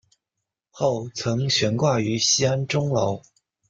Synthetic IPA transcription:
xo˥˩ʊt͡sʰɤ˧˥ŋɕɥɛ˧˥nkwa˥˩y˧˥ɕi˥a˥nʈ͡ʂʊ˥ŋlo˧˥ʊ

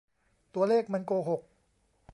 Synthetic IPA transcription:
t̪u˧ɐleː˥˩k̚ma˧nkoː˧ɦo˨˩k̚

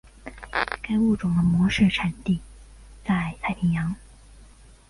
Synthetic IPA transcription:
ka˥ɪu˥˩ʈ͡ʂʊ˨˩ŋd̪ə˦mwɔ˧˥ʂ̩˥˩ʈ͡ʂʰa˨˩nt̪i˥˩ | t͡sa˥˧ɪt̪ʰa˥˩ɪpʰi˧˥ŋjɑ˧˥ŋ

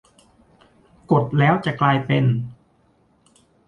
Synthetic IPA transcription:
ko˨˩t̪̚lɛː˦˥wt͡ɕa˨˩klaː˧jpe˧n

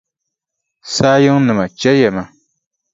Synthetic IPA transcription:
saː˦jɨ˦ŋnɨ˨ma˨t͡ʃɛ˦jɛ˨ma˨

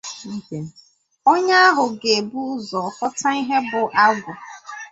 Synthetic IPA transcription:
n̩˦ke˨ | o˦ɲa˦a˦ɦʊ˨ɡe˨bu˦ʊ˦zɔ˨hɔ˦ta˦i˦ɦe˦bʊ˨ʔa˦ɡʊ˨

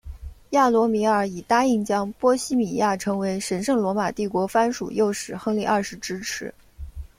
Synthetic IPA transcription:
ja˥˩lwɔ˧˥mi˧˥ə˞˨˩i˨˩t̪a˥i˥˩ŋt͡ɕjɑ˥ŋpwɔ˥ɕi˥mi˨˩ja˥˩ʈ͡ʂʰɤ˧˥ŋwe˧˥ɪʂə˧˥nʂɤ˥˩ŋlwɔ˧˥ma˨˩t̪i˥˩kwɔ˧˥fa˥nʂṵ˨˩jo˥˩ʊʂɻ̩˨˩xɤ˥ŋli˥˧ʔɐ˞˥˩ʂɻ̩˧˥ʈ͡ʂɻ̩˥ʈ͡ʂʰɻ̩˧˥

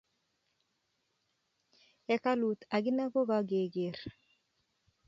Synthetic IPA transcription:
ɛ˨ka˦lu˨t̪a˨ɡɪ˦na˦ɡo˦ɡa˨˦ɡe˨ɡe˨r

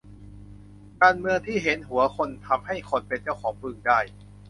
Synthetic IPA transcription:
kaː˧nmɯ˧əŋt̪ʰiː˥˩ɦe˩˦nɦu˩˦ɐkʰo˧nt̪ʰa˧mha˥˩jkʰo˧npe˧nt͡ɕa˥˩wkʰɔː˩˦ŋpɯ˧ŋdaː˥˩j

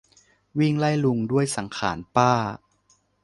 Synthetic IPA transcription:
wi˥˩ŋla˥˩jlu˧ŋdu˥˩əjsa˩˦ŋkʰaː˩˦npaː˥˩

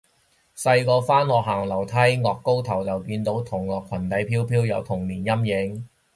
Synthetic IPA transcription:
sɐ˧jkɔː˧faː˥nlɔː˨k̚ɦaː˨˩ŋlɐ˨˩wt̪ʰɐ˨˥jŋɔː˨kːo˥wt̪ʰɐ˨˩wt͡sɐ˨wkiː˧nt̪o˨˥wt̪ʰʊ˨˩ŋlɔː˨kʷʰwɐ˨˩nt̪ɐ˨˥jpʰiː˥wpʰiː˥wjɐ˨˧wt̪ʰʊ˨˩ŋniː˨˩njɐ˥mjɪ˨˥ŋ

